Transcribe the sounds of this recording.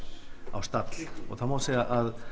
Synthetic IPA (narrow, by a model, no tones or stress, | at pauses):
a̰wst̪at̪lɔ̰ɣθamaseaʔað